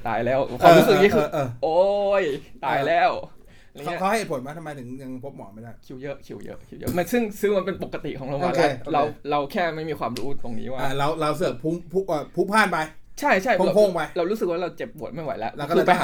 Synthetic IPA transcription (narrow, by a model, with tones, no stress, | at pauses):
t̪a̰ː˧jlɛː˦˥˩wkʰwaː˧m˧ɾu˦˥sɯ˨˩k̚i˦˥˩kɯː˧˩ʔoː˧˩jt̪aː˧jlɛː˦˥˩w | ŋʰ˦˥˧wa˥˩je˨˩po˩˦nmaː˦˥˩t̪ʰa˧ma˧jt̪ʰɯ˨˩˦ŋɲa˧ŋpʰo˦˥p̚mɔ̰ː˩˦ma˥˩jdaː˥˩jkʰi˧˥wjɤ˦˥ʔkʰi˧˩wjɤ̰˦˥ʔkʰi˧˦˩wjə̰˦˥ma˧nsɯ˥˩ŋsɯː˧˦˥ma˧npe˧npo˨˩kːa˧t̪ḭ˨˩kʰɔː˩˦ŋloː˧˩moː˦˥klɛ˦˧ɾa˧wɾa˧wkʰɛː˥˩ma˥˩jmiː˧kʰwaː˧mɾuː˦˥t̪o˧ŋnḭː˦˥waː˥˩˧ɾa˧wɾa˧ws̬ɯː˨˩pʰu˦˥mpʰu˦˥ʔəː˨˧˩pʰu˦˥pʰaː˥˩npa˧jt͡ɕʰa˥˩jt͡ɕʰa˥˩ja˧pʰo˥˩ŋpa˧jɾa˧wɾuː˦˥sɯ˨k̚waː˥˩ɾa˧wt͡ɕe˨˩pːu˨˩ət̪̚ma˥˩jwa̰˨˦jlɛ̰˦˥ʔkːʰɯː˧˩˧pa˧